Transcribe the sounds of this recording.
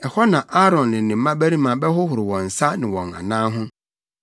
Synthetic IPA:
ɛ˨hɔ˦nã˨ʔa˦ɾɔ̃˨nːɪ̃˨nɪ̃˨m̩ː˦ã˦bæ˦ɾĩ˦mã˨bɛ˦hʊ˦hʊ˨ɾɪ˨wɔ̃˨n̩˨sa˦nɪ̃˨wɔ̃˨ŋã̰˨nãː˦ɦʊ̃˦

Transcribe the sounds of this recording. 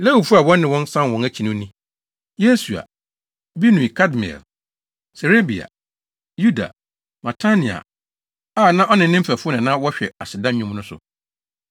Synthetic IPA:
le˦hu˨fu˦a˨wɔ̃˦nːɪ̃˨wɔ̃˦n˦sã˦n˨wɔ̃˨næ˦t͡ɕʰi˨nũ˦nĩ˦ | je˦su˨a̰˨ | bi˦nũ˨i˨kʰa˦dmi˨ɛ̰˨l | se˨ɾe˦bi˨a̰˨ | ju˦da̰˨ | ma˨tʰa˦nĩ˨a̰˨ | aː˦˨nã˦ʔɔ˦nɪ̃˨nːɪ̃˦m̩˦fæ˨fʊ˦nɪ̃˨nã˦wɔ˦ɕᶣɛ˨a˨sɪ˨dã˦ɲũ˦m˦nʊ̃˦sʊ̰˨

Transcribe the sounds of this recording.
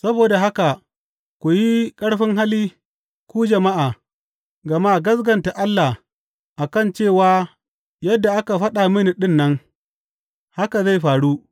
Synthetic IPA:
sɐ˦boː˨da˨ɦa˦ka˨ | kʷu˨ji˦kʼɐ˦ɽɸɪ˦ŋɦa˦liː˦ | kʷuː˦d͡ʒɐ˨ma˦ʔaː˨ | ɡɐ˨ma˦ɡɐ˦s̬ɡɐ˨nta˨ʔa˦lːa˨ | ʔa˨kɐ˦˨nt͡ʃeː˦˨waː˦ | jɐ˦dːa˨ʔa˦ka˨ɸɐ˦ɗa˨mɪ˦ni˨ɗɪ˦nːɐ˦ŋ | ha˦ka˨za˦˨jɸaː˨ɽuː˦

